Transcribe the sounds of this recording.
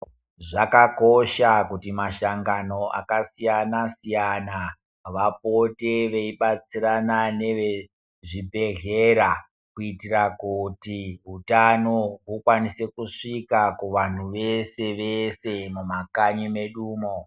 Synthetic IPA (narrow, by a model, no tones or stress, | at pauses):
ʐakako̞ʃakutimaʃaŋɡano̞ʔa̰kasijanasijana | ʋapo̞te̞ʋeiɓat͡siɾanane̞ʋe | ʐibʱe̞ɣe̞ɾa | kuitirakutiɦutanoɦukwanise̞kuʂikakuʋan̤uʋese̞ʋese̞mumakaɲime̞ɗuːmo